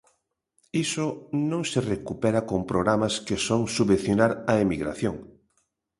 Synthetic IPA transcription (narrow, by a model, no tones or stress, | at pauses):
isʊnõŋserekupɛɾakompɾoɣɾamaskesoŋsuβẽn̟θjonaɾɐemiɣɾa̰θjoŋ